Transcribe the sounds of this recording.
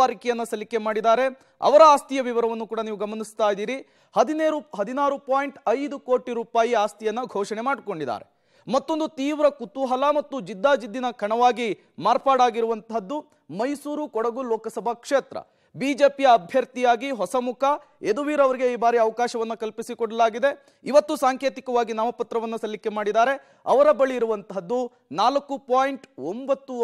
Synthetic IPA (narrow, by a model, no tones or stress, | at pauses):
aɾikɛjɐnːɐsɐlike̞maːɽid̪aːɾe̞ | ɐ̰ʋɐɾɐaːst̪ijɐʋiʋɐɾɐʋɐnːukuːɽɐniːʋuɡɐmɐnist̪aːjd̪iːɾi | hɐd̪ineːɾuɦɐd̪inaːɾupaːjɳʈɐjd̪ukoːʈiɾuːpaːjiaːst̪ijɐnːɐɡʱɔːʂɐɳemaːɖko̞ɳɖid̪a̰ːɾe̞ | mɐt̪ːo̞nd̪ut̪iːʋɾɐkut̪ːuɦɐlɐmɐt̪ːud͡ʒid̪ːaːd͡ʒid̪ːinɐkʰɐɳɐʋaːɡi | maːɾpaːɽaːɡiɾuʋɐnt̪ʰɐd̪ːu | mɐjsuːɾukɔɽɐɡulɔːkɐsɐbʱɐkʂeːt̪ɾɐ̰ | biːd͡ʒe̞ːpijɐːbʱjɐɾt̪ijaːɡiɦɔsɐmukʰɐ | e̞d̪uʋiːɾɐʋɐɾiɡe̞iːbaːɾiɐʋɐkaːʃɐʋɐnːɐkɐlpisikɔɽɐlaːɡid̪e̞ | iʋɐt̪ːusaːŋke̞ːt̪ikɐʋaːɡinaːmɐpɐt̪ɾɐʋɐnːɐsɐlːikːe̞maːɽid̪aːɾe̞ | ɐ̰ʋɐɾɐbɐɭiːɾuʋɐnt̪ɐd̪ːu | naːlɐkːupaːjiɳʈombɐt̪ːu